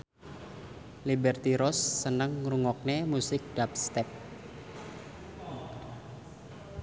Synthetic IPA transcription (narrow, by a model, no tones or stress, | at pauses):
libɛrt̪iɾɔsːənəŋruŋɔk̚nemusɪk̚d̥ap̚st̪ɛp̚